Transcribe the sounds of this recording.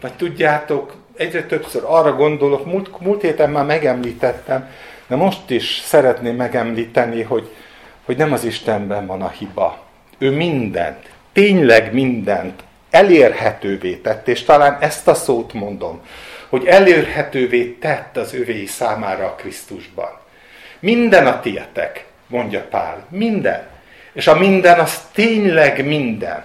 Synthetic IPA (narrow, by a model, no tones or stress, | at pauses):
vɒct̪uɟːaːt̪o̞k | ɛɟrɛt̪ø̞psøɾɒrːɒɡo̞nd̪o̞lo̞kmult̪muːlt̪heːt̪ɛmːaːmɛɡɛmliːt̪ɛt̪ːɛmd̪̥ɛmo̞ʃt̪iʃsɛɾɛt̪neːmːɛɡɛmliːt̪ɛniɦo̞ɟho̞ɟnɛmɒziʃt̪ɛmbɛɱvɒnɒhibɒ̰ | øːmind̪ɛ̰nt̪ːeːɲlɛɡmind̪ɛnt̪ | ɛleːrhɛt̪øːveːt̪ɛt̪ːeːʃt̪ɒlaːnɛst̪ɒsoːt̪mo̞nd̪o̞mho̞ɟɛleːrhɛt̪øːveːt̪ɛt̪ːɒzøveːjisaːmaːɾɒːkrist̪uʒbɒ̰n | mind̪ɛnɒt̪ijɛ̰t̪ɛ̰k | mo̞ɲɟɒpa̰ːlmind̪ɛ̰n | eːʃɒmind̪ɛnɒst̪eːɲlɛɡmind̪ɛ̰n